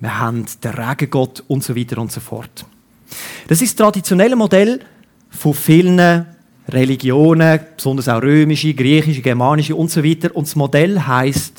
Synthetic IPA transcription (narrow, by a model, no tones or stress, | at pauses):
məhandd̥əʁaɡ̥əɡ̥ɔtʊntsovitəɾʊntsofɔ̰rt | d̥ɑs̬ɪʃstʁɑdit͡sjonɛləmodɛl | fofɪlnə | rɛliɡjoːnəpsʊndəɾsaʊɾøːmiʃiɡriːχɪʃ̬iɡɛɾmɑːniʃiʊntsovitəɾʊntsmodɛlɦaɪst